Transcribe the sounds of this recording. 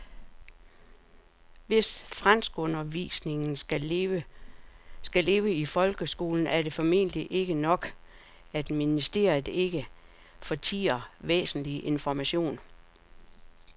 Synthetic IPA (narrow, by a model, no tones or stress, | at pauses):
ʋe̝sfʁan̰sɡ̥ɔ̽nɐʋḭːsne̝ŋn̩ | sɡ̥æle̝ːʊəifɒ̽lɡ̥əsɡ̥o̝̰ːln̩æɐɾ̥e̝fɒ̽me̝̰ːnd̥liʔe̝ɡ̥ənɒ̽ɡ̥ | æd̥minisd̥e̝̰ɐð̩ˠe̝ɡ̥ə | fɒ̽t͡sʰḭːɐʋḛːsn̩liʔe̝nfɒmæɕo̝̰ːn